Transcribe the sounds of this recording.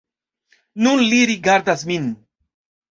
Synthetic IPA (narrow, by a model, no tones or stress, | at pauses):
nunliɾiɡaɾd̪asmin